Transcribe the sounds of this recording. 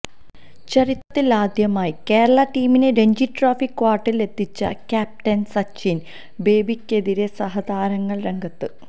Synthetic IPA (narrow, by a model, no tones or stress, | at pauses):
t͡ɕɐrit̪ːɐːilaːd̪jɐmaːjike̞ːɾɐɭɐʈiːmineɾe̞ɲd͡ʑiʈraːfikːʋaːrʈːile̞t̪ʰːit͡ɕːɐ̰kʲaːp̚ʈɐnsɐt͡ɕːin | be̞ːbikʲːe̞ðiɾe̞sɐɦɐd̪aːɾɐŋːɐɭre̞ŋɡɐt̪ːɨ